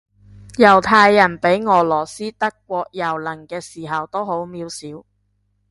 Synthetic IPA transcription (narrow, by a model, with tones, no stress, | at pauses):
jɐ˨˩wt̪ʰaː˧jːɐ˨˩npe˨˥jŋɔː˨˧lɔː˨˩siː˥t̪ɐ˥kːʷɔː˧k̚jɐ˨˩wlɐ˨˩ŋkɛː˧siː˨˩ɦɐ˨wt̪o˥who˨˥wmiː˧wsiː˨˥w